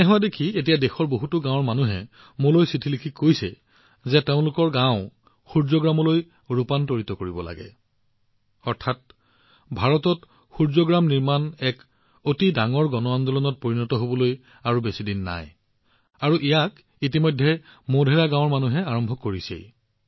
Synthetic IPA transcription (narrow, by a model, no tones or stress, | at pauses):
nɛɦɔadekʰiet̬ijadexɔɹboɦutʊɡãwɔɹmanuɦɛ̰ | molojsitʰilikʰikːojsɛ̰ | zɛteʊ̃lʊkɔɹɡãʊ̃ | xuɹzɔɡɹamɔloj | ɹupantoɹitɔkoɹibɔla̰ɡɛ̰ | ɔɹtʰat̚ | bʱaɹɔtɔt | xuɹzɔɡɹamniɹmanɛk | otidaŋɔɹɡɔnɔand̪ɔlɔnɔt̚poɹinɔtɔɦobɔloj | aɹubesidinːa̰j | aɹuʔijak | it̬imɔjdʱːɛ | modʱɛɹaɡãwɔɹmanuɦɛaɹɔmbʱɔkːoɹisḛj